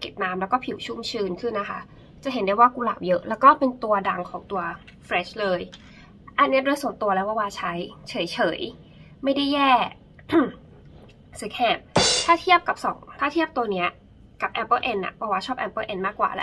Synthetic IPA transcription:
ke˨˩t̪̚naː˧˥mlɛː˦˥wkɔː˥˩pʰi˨˩˦wt͡ɕʰu˥˩mt͡ɕʰɯː˧nkʰɯ˥˩nːa˦˥kʰa̰˦˥ | t͡ɕa˨˩ʔɦe˩˦ndaː˧˥˩jwaː˥˩kuː˧la̰ː˨˩wjɤ˦˥ʔlɛː˦˥wkɔː˥˩pe˧nt̪u˧ɐda˧ŋkʰɔː˩˦ŋt̪u˧ɐ | fɾɛ˦˥ɕlɤː˧j | ʔa˧nːi˦˥ɐdoː˧jsu˨˩˦nt̪u˧ɐlɛː˦˥wʰa˧waː˥˩t͡ɕʰa˦˥jt͡ɕʰɤː˨˩˦jt͡ɕʰɤː˩˦j | ma˥˩jda˥˩jːɛː˥˩ | si˨˦kʰɛː˧˩p̚t̪ʰaː˥˩t̪ʰi˥˩əp̚ka˨˩p̚sɔ̰˨˩˦ŋt̪ʰaː˥˩t̪ʰi˥˩əp̚t̪u˧ɐni˦˥ɐ | ka˨˩p̚ʔɛ˧˥pːɤː˥˧˩ʔe˧nːa̰˨˩bɔː˨˩waː˥˩t͡ɕʰɔː˥˩p̚ʔɛ˧pːɤː˥˩ʔe˧nmaː˥˩kːwa̰ː˨˩lɛ̰˦˥

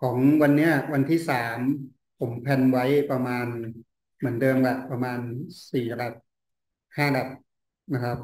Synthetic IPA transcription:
kʰɔː˩˦ŋwa˧nːi˦˥ɐwa˧nt̪ʰiː˥˩saː˩˦m | pʰo˩˦mpʰɛ˧nwa˦˥jpɾa˧maː˧n | mɯ˩˦ndɤː˧mka˨˩pɾa˧maː˧nsiː˨˩la˨˩t̪̚ | haː˥˩la˨˩t̪̚ | na˦˥kʰɾa˦˥p̚

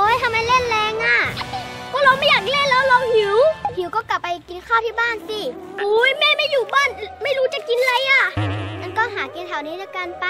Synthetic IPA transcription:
ʔoː˧˥˨jt̪ʰa˧mːa˧jle˥˩nlɛː˧ŋʔaː˧˥˩kɔː˧˥˩la˧wma˧˥˩jaː˨˩k̚le˥˨nlɛː˦˥wlɔː˧whi˨˩˦whi˨˦wkɔː˥˩ka˧˩pːa˧jki˧nkʰaː˥˩t̪ʰiː˥˩baː˥˩˨nsi˧˩ | ʔuː˧˦jmɛː˥˨ma˥˩jːuː˨˩baː˥˩˨nma˥˩jɾuː˦˥t͡ɕa˨˩ki˧nla˧jʔaː˧˩ʔa˧nkɔː˥˩ɦaː˨˩˦ki˧nt̪ʰaː˨˩wniː˦˥dɯː˧ka˧npa˧

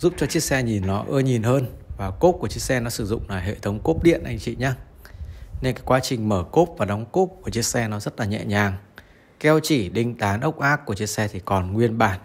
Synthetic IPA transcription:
zu˦˥p̚t͡ɕɔ˧t͡ɕi˦˥ək̚sɛ˧ɲi˨˩nːɔ˨˦ʔəː˧ɲi˨˩nhəː˧nvaː˨˩ko˦˥p̚ku˧˩ət͡ɕi˦˥ək̚sɛ˧nɔ˨˦sɨ˧˩zʊ̰˧˨ŋ͡mlaː˨˩jɦḛ˧˨t̪ʰə˨˦wŋ͡mko˦˥p̚ɗḭ˧˨ənʔa˧jŋ̟t͡ɕḭ˧˨ɲaː˧ | ne˧nkaː˨˦jkwaː˨˦t͡ɕï˨˩ŋ̟məː˧˩ko˦˥p̚vaː˨˩ɗa˨˦wŋ͡mko˦˥p̚ku˧˩t͡ɕi˦˥ək̚sɛ˧nɔ˨˦zə˦˥t̚laː˨˩ɲɛ̰˧˨ɲaː˨˩ŋ | kɛ˧wt͡ɕi˧˩ɗï˧ŋ̟t̪aː˨˦nʔə˦˥wk͡p̚ʔaː˦˥kːu˧˩ət͡ɕi˦˥ək̚sɛ˧t̪ʰi˨˩kɔ˨˩nŋwi˧ənɓaː˧˩n

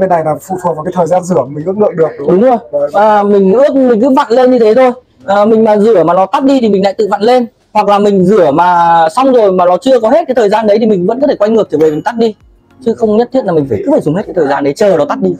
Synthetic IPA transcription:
e˧˩na˨˩jlaː˨˩fṵ˧˨fu˨˩kvaː˨˩ka˨˦t̪ʰəː˨˩jzaː˧nzɨ˧˩ə˨mi˨˩ŋ̟ʔɨ̰˦˥əklə̰ː˧˨jɗɨ˨˩ək̚ɗʊ˨˦ŋ͡mzo˧˩jaː˨˩mï˨˩ŋ̟ɨ˦˥ək̚mï̟˨˩kɨ˨˦va̰ː˧˨nle˧nɲɨ˧t̪ʰe˨˦t̪ʰo˧j | ʔəː˨˩mï˨˩ŋ̟maː˨˩zɨ˧˩əmaː˨˩nɔ˨˦t̪a˦˥t̚ɗi˧t̪ʰi˨˩mi˨˩ŋ̟la̰ː˧˨t̪ɨ̰˧˨va̰ː˧˨nle˧n | hwa˨˩k̚laː˨˩mï˨˩ŋ̟zɨ˧˩əmaː˨˩sa˧wŋ͡mzo˨˩jmaː˨˩nɔ˨˦t͡ɕɨ˧əkɔ˨˦he˦˥ka˨˦t̪ʰəː˨˩jzaː˧nɗə˨˦jt̪i˨˩mï˨˩ŋ̟və̰˧˥nkɔ˨˦t̪ʰe˧˩kwa˧jŋɨ˨˩ət̪ʰːve˨˩mi̟˨˩t̪a˦˥t̚ɗi˧ | t͡ɕɨ˨˦xə˧wŋ͡mɲə˦˥t̪̚ʰi˧˥ənlaː˨˩mï˨˩ŋ̟faː˧˩kɨ˨˦faː˧˩jzʊ˨˩ŋ͡mhe˦˥t̚ka˨˦t̪ʰəː˨˩zaː˧nɗə˨˦jt͡ɕəː˨˩nɔ˨˦t̪a˦˥t̚ɗi˧

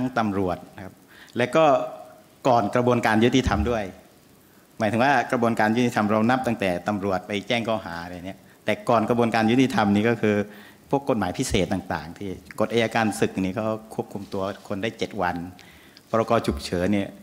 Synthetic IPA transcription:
ŋt̪a˧mɾu˨˩ət̪̚na˦˥kʰa˦˥p̚ | lɛ˦˥wkɔː˥˩ | kɔː˨˩nkɾa˧bu˧ənkaː˧nju˦˥t̪i˧t̪ʰa˧mdu˥˩əj | ma˨˦t̪ʰɯ˩˦waː˥˩kɾa˧bu˧ənkaː˧nju˥t̪i˧t̪ʰa˧mɾa˧wna˦˥p̚t̪a˥˩ŋt̪ɛː˨˩t̪a˧mɾu˨˩ət̪̚pa˧jt͡ɕɛː˥˩ŋkɔː˥˩ɦaː˩˦a˧ɾa˧ja˨ni˦˥ɐ | t̪ɛː˨˩kɔː˨˩nkɾa˧bu˧ənkaː˧nju˦˥t̪i˧t̪ʰa˧mniː˥˩kɔː˥˩kʰɯː˧ | pʰu˥˩əkːo˨˩t̪̚maː˩˦jpʰi˦˥seː˨˩t̪̚ːaː˨˩ŋt̪a̰ː˨˩ŋt̪ʰiː˥˩ko˨˩t̪̚ʔaː˧jaː˧kaː˧nsɯ˨˩k̚niː˧˥˩kʰa˦˥˩kʰu˥˩əp̚kʰu˧mt̪u˧ɐkʰo˧ndaː˥˩jt͡ɕe˨˩t̪̚wa˧n | bɔː˧ɾa˧kɔː˧t͡ɕʰu˨˩k̚t͡ɕʰɤː˩˦ni˥˩

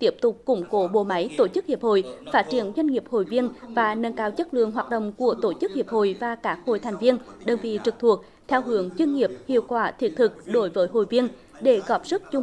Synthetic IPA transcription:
t̪i˦˥əp̚t̪ʊ˨˩k͡p̚kʊ˧˩ŋ͡mko˨˦ɓo̰˧˨ma˨˦jt̪o˧˩t͡ɕɨ˦˥k̚hi˨˩p̚ho̰˧˨jfaː˦˥t̚t͡ɕi˧˩ənzwa˧jŋ̟ŋi˨˩əp̚ho̰˧˨jvi˧ənvaː˨˩nə˧nkaː˧wt͡ɕə˦˥t̚lɨ̰˧˨əŋɦwaː˨˩t̚ɗə̰˧˨wŋ͡mku˧˩ət̪o˧˩t͡ɕɨ˦˥k̚hi˨˩əp̚ho̰˧˨jvaː˨˩kaː˦˥k̚ho̰˧˨jt̪ʰɛ˨˩jŋ̟vi˧ənɗə˨˩ŋvḭ˧˨t͡ɕɨ˨˩k̚t̪ʰu˨˩ək̚ | t̪ʰɛ˧wɦɨ˨˦əŋt͡ɕwi˧ənŋi˨˩əp̚hḭ˧˨əwkwaː˧˩t̪ʰi˨˥ət̚t̪ʰɨ˨˩k̚ɗo˨˦jvəː˨˦jɦo̰˧˨jvi˧ən | ɗe˧˩ɣɔ˨˩p̚zə˦˥t̚t͡ɕʊ˧ŋ͡m

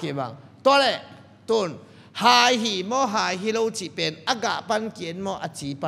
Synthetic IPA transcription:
ki˨ba̰˨ŋ | t̪u˧˦lɛ˨ | t̪u˧˩˨n | haː˧jɦi˨mɔ˦˨ɦaː˨˧jɦi˦lo˦˧wt͡si˨pɛ˨˧˨na˦ɡa̰˨ʔpa˦nki˨˦nmɔ˦ʔa˧t͡si˨˦pa˦

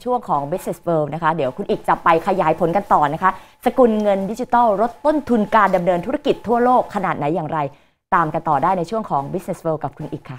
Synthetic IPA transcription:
t͡ɕʰu˥˩əŋkʰɔː˩˦ŋbi˦˥t̚ne˨˩swɤː˧wna˦˥kʰa˦˥diː˨˩˦əwkʰu˧nʔiː˨˩k̚t͡ɕa˨˩pa˧jkʰa˧jaː˩˦jpʰo˩˦nka˧nt̪ɔː˨˩na˦˥kʰa˦˥sa˧ku˨˩nŋɤ˧ndi˦˥t͡ɕi˧t̪ɔː˥˩wɾo˦˥t̪ːo˥˩nt̪ʰu˧nkaː˧nda˧mnɤː˧nt̪ʰu˦˥ɾa˥˩ki˨˩t̪ʰːu˥˩ɐloː˥˩kʰːa˧naː˨˩t̪̚na˩˦jːaː˨˩ŋɾa˧j | t̪aː˧mka˧nt̪ɔː˨˩daː˥˩jna˧jt͡ɕʰu˥˩əŋkʰɔː˩˦ŋbi˦˥ne˨˩swɤː˧wka˨˩p̚kʰu˧nʔiː˨˩kʰːa˥˩

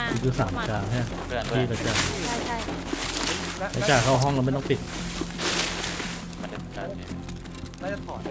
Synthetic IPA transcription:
kʰɯː˧˩kʰɯː˧˩saː˩˦mkaː˧ŋʰaː˥˩˨ | t̪ʰiː˥˩taː˦˩t͡ɕaː˨˩ | la˧˦˥t͡ɕaː˨˩k̚ʰa˥˩wɦɔ˥˩ŋla˧ma˥˩jt̪ɔ˥˩˨pi˨˩t̪̚

